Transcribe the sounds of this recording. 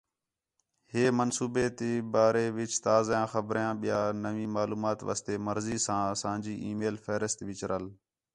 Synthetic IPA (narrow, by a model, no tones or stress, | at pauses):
heːmənsuːbeːt̪eːbaːɾeːʋɪt͡ʃt̪aːzjãːxəbɾjãːɓɪjaːnəʋĩːmaːluːmaːt̪ʋa̰ːst̪eːməɾziːsãːsãːd͡ʒiːʔiːmeːlfɛːɾəst̪ʋɪt͡ʃɾəl